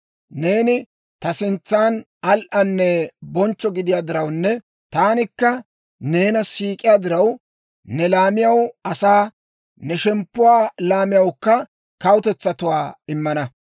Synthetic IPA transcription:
ne̞ːnɪ | t̪ɐsɪnt͡sːaːn | ɐlʔɐnːɛbɔnt͡ʃːɔɡɪd̪ɪjaːd̪ɪɾɐwnːɛ | t̪aːnɪkːɐ | ne̞ːnɐsiːkʼɪjaːd̪ɪɾɐw | nɛlaːmɪjɐwɐsaː | nɛʃɛmpːʊwaːlaːmɪjɐwkːɐ | kɐwʊt̪ɛt͡sːɐt̪ʊwaːɪmːɐnɐ

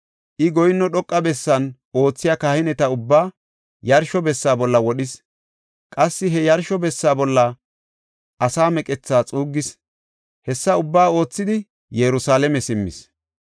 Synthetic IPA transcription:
ʔɪɡɔjɪnːɔɗɔkʼːɐbɛsːɐn | o̞ːt͡sːɪjakaːhɪnɛt̪ɐʊbːaː | jɐɾʃɔbɛsːaːbɔlːɐwɔɗɪs | kʼɐsːɪɦɛjɐɾʃɔbɛsːaːbɔlːɐ | ʔɐsaːmɛkʼɛt͡sːaːt͡sʼuːɡːɪs | hɛsːɐʊbːaːo̞ːt͡sːɪd̪ɪ | jɛɾʊsaːlɛmɛsɪmːɪ̰s

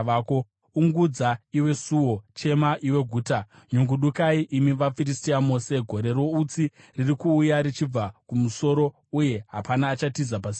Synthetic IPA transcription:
aːko̞ | uŋɡud͡zaiwe̞suwo̞t͡ʃe̞maʔiwe̞ɡʱuːtaɲuŋɡuɗukaiʔimiʋafiristiamose̞ɡʱo̞ɾe̞rwo̞ut͡si | ririkuːjaɾit͡ʃib͡vakumuso̞ɾo̞ | uje̞ɦapanaːt͡ʃatizapasi

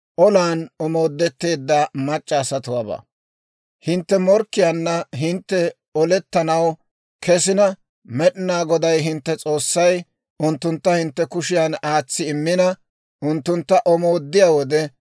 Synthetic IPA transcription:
ʔɔlaːnɔmo̞ːd̪ːɛt̪ːe̞ːd̪ːamɐt͡ʃʼːɐːsɐt̪ʊwaːbɐ̰ː | hɪnt̪ːɛmɔɾkːɪjaːnːɐɦɪnt̪ːɛ | ɔlɛt̪ːɐnɐw | kʰɛsɪnɐ | mɛɗɪnaːɡɔd̪ɐjɦɪnt̪ːɛt͡sʼo̞ːsːɐj | ʊnt̪ːʊnt̪ːɐhɪnt̪ːɛkʊʃɪjaːnaːt͡sːɪɪmːɪnɐ | ʔʊnt̪ːʊnt̪ːɐʔɔmo̞ːd̪ːɪjaːwɔd̪ɛ

